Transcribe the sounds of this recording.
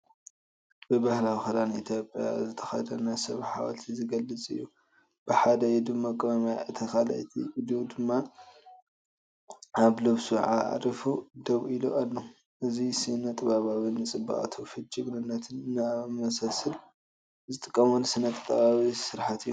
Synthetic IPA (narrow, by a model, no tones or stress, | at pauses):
bɨbahlawixɐlanʔḭt̪ʰjopʼja̰zɨt̪ʰɐ̥xɐd̪ɐnasɐβħawa̰lt̪ʰizɨɡɐlːɨt͡sʼɨ̰jːu | b̥ɨħad̪ɐjɛd̪ɨmːakʼɨβamjaʔɨt̪ʰɐxala̰jt̪ʰḭd̪ud̪ɨmːa | aβlɨβsuʕa̰ʕ̰ɾifud̪ɐβiloalːo | ʔɨzisɨnɐt̪ʼɨβaβaβɨnːɨt͡sʼɨbːa̰ʔʼa̰t̪ʰofɨt͡ʃʼːɨɡnɨnːɐt̪ʰɨnnɨamɐsɐsɨl | zɨt̪ʼɨkʼːɐmunsɨnɐt̪ʰʼt̪ʼːɐbaβisɨɾħat̪ɨjːu